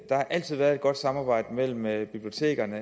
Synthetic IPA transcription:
d̥ɑ̈hɑ̈ʔæl̰t͡sʰið̞̰ˠʋæːɐðˠed̚ɡ̥ɒ̽d̥sɑ̈mɑ̈ːb̥ɑ̈ɪ̰d̥əmel̰m̩b̥ib̥lio̝t͡sʰe̝̰ːɡ̥ɐnə

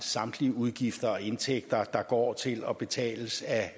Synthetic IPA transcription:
sɑ̈md̥liəuð̞ˠɡ̥ifd̥ɐɒ̽e̝nt͡sʰeɡ̥̚d̥ɐd̥ɑ̈ɡ̥ɒ̰ːt͡sʰe̝lɒ̽b̥e̝t͡sʰɛ̰ːləsæ

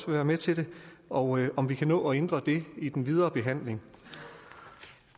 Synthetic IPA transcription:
ʋe̝ʋæːɐmet͡sʰe̝dɾe̝ɒʔɒ̽mʋikʰænɔ̰̽ːɒ̽end̥ʁɐd̥e̝id̥enʋið̞ˠɐːb̥e̝ɦæn̰le̝ŋ

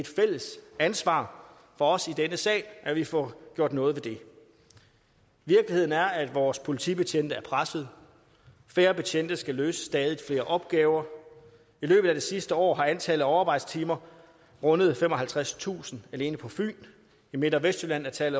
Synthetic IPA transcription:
e̝d̥fel̰əsænsʋɑ̰̈ː | fɒ̽ɒ̽sid̥enəsɛ̰ːɪʔæʋifɒɡ̥jo̝ɐ̰d̥nɔ̽ːð̞̩ˠʋe̝d̥e̝ | ʋiɐɡ̥lihe̝ð̰ˠn̩æɐæd̥ʋɒːspʰo̝lit͡sʰib̥e̝t͡ɕʰen̰d̥əæɐpʰʁasəð̞̩ˠ | fe̝ːɐb̥e̝t͡ɕʰen̰d̥ɐsɡ̥æløːsə̥sːd̥ɛːð̞ˠifle̝ːɐʔɒ̽b̥̚ɡ̥ɛːʊɐ | ilø̰ːb̥ð̩ˠædesisd̥əɒ̰ːɦɑ̈ænt͡sʰɛːləɒʊɑːb̥ɑ̈ɪd̥st͡sʰiːmɐ | ʁɔ̽nəð̞ˠfem̰ɒ̽hælt͡sʰʁast͡sʰṵːsn̩æle̝ːnəpʰɒ̽fy̰ːn | ime̝d̥ɐʋesd̥ylæn̰æɐt͡sʰɛl

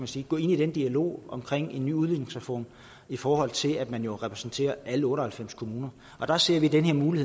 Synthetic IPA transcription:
mænsiːɡ̥ɔ̰̽ːe̝nid̥end̥iælo̝̰ːɒ̽mkʰʁeŋ̰e̝nːy̰ːuð̞ˠʋḭne̝ŋsæfo̝̰ːn | ifɒːhɒ̽l̰t͡sʰe̝læd̥mænjo̝ʁɛpʰʁɛ̥sn̩t͡sʰe̝̰ːɐʔæləɔ̽ːɾɐhælfem̰skʰo̝muːnɐ | ʔɒ̽d̥ɑ̈se̝ɐ̰ʋid̥enɦeɐ̰muːlihe

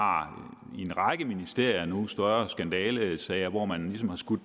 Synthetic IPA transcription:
ɑ̈ | e̝nʁɑ̈ɡ̥əminisd̥e̝ɐ̰jɐnusd̥ɶɐɐsɡ̥ænd̥ɛːləsɛɪɐʋɒmænlisɒ̽mhɑ̈sɡ̥ud̥

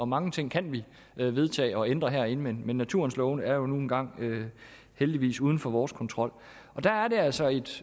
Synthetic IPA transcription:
ɒ̽mɑ̈ŋət͡sʰe̝ŋ̰kʰænʋi | ʋe̝ð̞ˠt͡sʰɛ̰ːɒ̽end̥ʁɐɦæɐ̰e̝nəmenmenːæt͡sʰuɐnslɔʊnəæɐjo̝nuːn̩ɡ̥ɑ̈ŋ̰ø | held̥iʋḭːsuːð̞ˠn̩fɒ̽ʋɒːskʰɒ̽nt͡sʰʁɒ̽l̰ | ɒ̽d̥ææɐɾe̝æl̰sɒ̽e̝d̥

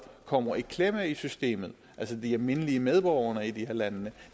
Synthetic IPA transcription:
kʰɒ̽m̰ɐikʰlemæisysd̥e̝̰ːmð̩ˠʔælsəd̥iæɐme̝nəliəmeð̞ˠb̥ɒʊ̰ɐnəid̥iheɐlænnə

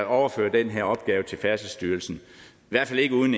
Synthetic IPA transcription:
ɒʊɐføɐd̥enɦeɐɒ̽b̥ɡ̥ɛːʊt͡sʰe̝lfæɐsəsd̥yːɐlsn̩ | iʋæɐ̥fæle̝ɡ̥əuðˠn̩

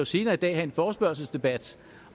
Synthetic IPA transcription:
jose̝ːnɐid̥ɛ̰ːhæe̝nfɒːsb̥ɶɐlsəl̩sd̥e̝b̥æd̥

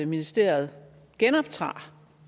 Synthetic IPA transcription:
minisd̥e̝̰ːɐð̞̩ˠ | ɡ̥enɒ̽b̥̚t͡sʰʁɑ̰̈ː

